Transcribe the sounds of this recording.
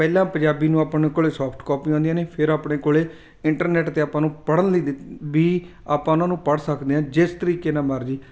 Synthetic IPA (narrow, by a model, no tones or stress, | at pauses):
pɛːlãːpə̃d͡ʒaːbiːnũːaːpneːkoːɭeːsɔːpʰʈkɔːpiːãɔ̃nd̪ijãːneːpʰɪɾaːpɳeːkoːleː | ɪɳʈəɾnɛːʈt̪eːaːpãːnũːpəɽənliːbiː | aːpãːʊnãːnũːpəɽsəkd̪eːɦãːd͡ʒɪst̪əɾiːkeːnãːməɾd͡ʒiː